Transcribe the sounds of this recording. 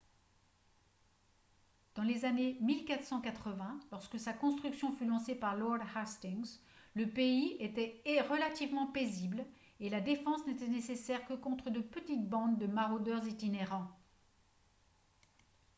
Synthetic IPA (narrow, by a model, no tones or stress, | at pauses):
d̪̥ɑ̃lezanemilkat̪χsɑ̃kat̪χəvɛ̃lɔʁskəsakɔ̃st̪χyksjɔ̃fylɑ̃sepaʁlɔʁd̪hast̪iŋzləpeiet̪ɛeʁəlat̪ivmɑ̃pezibl | elad̪efɑ̃snet̪ɛnesesɛʁkəkɔ̃t̪χəd̪əpət̪it̪bɑ̃d̪ːəmaʁod̪œʁzet̪ineʁɑ̃